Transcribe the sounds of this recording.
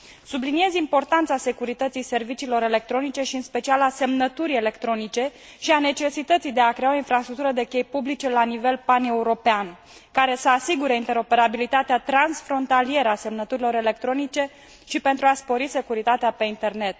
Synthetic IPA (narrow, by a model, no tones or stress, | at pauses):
sublinie̞zimpo̞rt̪ant̪sase̞kuɾit̪ət̪sijse̞rvit͡ʃiːlo̞ɾe̞le̞k̚t̪ɾo̞nit͡ʃe̞ʃiɨnspe̞t͡ʃialase̞mnət̪uɾʲe̞le̞kt̪ɾo̞nit͡ʃe̞ | ʃiane̞t͡ʃe̞sit̪ət̪sijd̪e̞akɾe̞ao̞infɾast̪ɾuk̚t̪uɾəd̪e̞kʲe̞jpublit͡ʃe̞lanive̞lpane̞uɾo̞pean | kaɾe̞səasiɡuɾeint̪e̞ɾo̞pe̞ɾabilit̪at̪eat̪ɾansfɾo̞nt̪alie̞ɾəase̞mnət̪uɾilo̞ɾe̞le̞k̚t̪ɾo̞nit͡ʃe̞ | ʃipent̪ɾuaspo̞ɾise̞kuɾit̪at̪eape̞int̪e̞rne̞t̪̚